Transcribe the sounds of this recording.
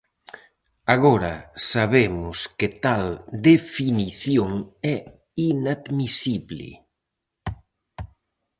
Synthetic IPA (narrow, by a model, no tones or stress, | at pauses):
aɣɔɾɐsaβemʊskɪt̪ald̪efiniθjoŋɛ | inaðmisiβlɪ̰